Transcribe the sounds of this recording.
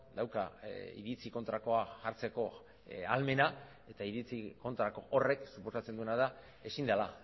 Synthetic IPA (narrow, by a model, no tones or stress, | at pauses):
d̪awkaḭɾit͡siko̞nt̪ɾako̞aʝaɾt͡se̞ko̞ | alme̞na | e̞t̪aiðit͡siko̞nt̪ɾako̞ʔore̞ksupo̞sat͡se̞nd̪uenaða | e̞sind̪ala